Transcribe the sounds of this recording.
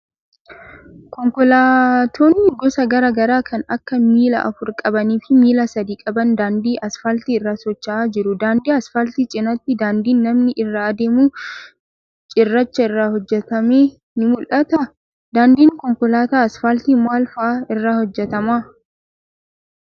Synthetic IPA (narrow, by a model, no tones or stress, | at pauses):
kɔŋkɔlaːt̪ʰoːnːɪɡɔsɐɡɐɾaːɡɐɾaːkʰɐnɐkːɐmiːlɐ̰ʔɐfʊɾkʼɐbɐniːfɪmiːlɐsɐd̪iːkʼɐbɐnd̪aːnd̪iːʔɐsfɐlt̪iːɪrːaːsɔt͡ʃːɐʔaːd͡ʒɪɾʊd̪aːnd̪iːɐsfɐlt̪iːt͡ʃʼɪnɐt̪ːɪd̪aːnd̪iːnːɐmnɪʔɪrːaːd̪e̞ːmuː | t͡ʃʼɪrːɐt͡ʃːɐɪrːaːhɔd͡ʒːɛt̪ɐmeː | nɪmʊlʔɐt̪ɐ | d̪aːnd̪iːŋkɔŋkɔlaːt̪aːɐsfɐlt̪iːmaːlfɐʔaːɪrːaːhɔd͡ʒːɛt̪ɐmaː